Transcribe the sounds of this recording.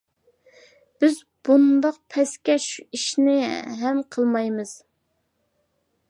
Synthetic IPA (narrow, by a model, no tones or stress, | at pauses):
b̥ɪz | b̥und̪ɑq̚pʰɛskʲɛʃuiʃnɪɦɛmqʰəlˠmɑjmɨz̥